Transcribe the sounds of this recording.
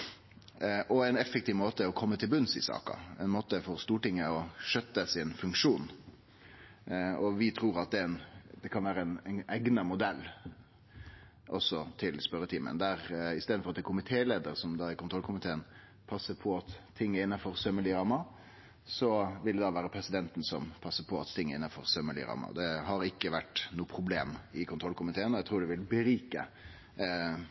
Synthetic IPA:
ʔɔɛɪnɛfːɛk̚t̪iːʋmoːt̪əɔkʰɔmːət̪ʰɪlbʉnsɪ̰sɑ̰ːkɑ̰ɛ̰nmoːt̪əfɔɾst̪uːʈɪŋːəɔʂœt̪ːəsɪnfʉŋkʂuːn | ɔʋɪt̪ʰɾuːɾɑt̪̚d̪ɛɛnd̪ɛkʰɑnʋæːɾəɛnɛnæɪɡnɑmʊd̪ɛlː | ʔɔsːɔt̪ʰɪlspœɾət̪ʰiːmə̰nd̪æɾɪst̪eːd̪n̩fɾɑt̪ːɛkʰʊmɪt̪ʰeːleːd̪əɾsɔmd̪ɑækʊnʰɾɔlkʰʊmɪt̪ʰeːən | pʰɑsːəpʰɔɑt̪t̪ʰːɪŋːəɪnːɑfɔɾsœməɭiɾɑmːɑ | sɔʋɪld̪ɛd̪ɑːʋæːɾəpʰɾɛsɪd̪ɛnt̪n̩sɔmpʰɑsːəpʰɔɑt̪t̪ɪŋːəɾɪ̰nːɑfɔ̰ɾsœmːəlɪ̰ɾɑ̰ːmːɑ̰d̪ɛɦɑɾɪkːəʋæʈnuːəpʰɾʊbleːmɪkʰʊnt̪ʰɾɔlkʰʊmɪt̪ʰeːənɔjæɪt̪ʰʁuːɖɛʋɪlbəɾiːkə̰

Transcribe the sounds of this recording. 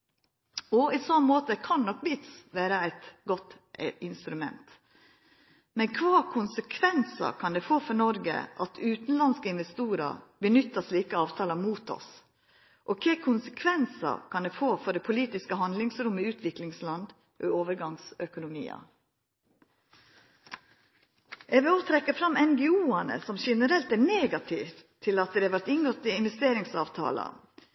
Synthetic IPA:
ɔɪsɔnmoːt̪əkʰɑnːɔkbɪt̪sʋæːɾəæɪt̪ɡɔt̪ | ɪnst̪ɾʉmɛ̰nt̪ | mɛnkʰʋɑːkʰʊnsəkʰʋɛnsə̰kʰɑnd̪ɛfoːfɔnɔɾɡə̰ʔɑt̪ʰʉːt̪n̩lɑnskəɪnʋɛst̪uːɾə̰bənʏt̪ːəsliːkəɑːʋt̪ʰɑːləmuːt̪ɔ̰s | ʔɔkʰɛːkʰʊnsə̥kʰʋɛnsɑ̰kʰɑnd̪ɛːfoːfɔɖɛpʰʊliːt̪ɪskəɦɑnd̪lɪŋsɾʊmːəʉːt̪ʰʋɪklɪŋslɑnd̪ | ʔɔoːʋəɾɡɑŋsœkʊnʊmḭːɑ̰ | ʔɛʋeoːt̪ʰɾɛkːəfɾɑmɛnɡɛuːɑnə̰sɔmʃɛnəɾɛlt̪æneːɡɑt̪ʰɪftt̪ʰːɪlɑt̪̚d̪ɛæʋæʈ̪ɪŋɡɔt̪ːɪɪnʋɛst̪eːɾɪŋsɑ̰ːʋt̪ʰɑ̰ːlɑ̰

